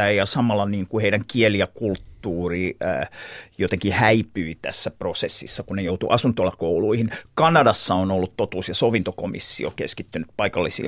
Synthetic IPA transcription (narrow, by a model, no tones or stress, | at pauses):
æjɑsɑmɑlːɑniːŋkuheiɾæŋkieliɑkult̪ːuːriː | jot̪eŋkihæipyit̪æ̰sːæprosesːḭsːɑkunnejout̪ṵʔɑsunt̪olːɑkouluihinkɑnɑdɑsːɑonolːut̪t̪ot̪uːsjɑsoʋint̪okomḭsːḭo̰keskit̪ːynyt̪pɑikɑlːisḭ